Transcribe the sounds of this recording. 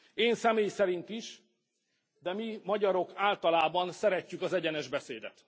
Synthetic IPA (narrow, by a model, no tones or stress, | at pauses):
eːnsɛmeːjsɛɾint̪iʃ | d̪ɛmimɒɟɒɾo̞kaːlt̪ɒlaːbɒnsɛɾɛcːykɒzɛɟɛnɛʒbɛseːd̪ɛ̰t̪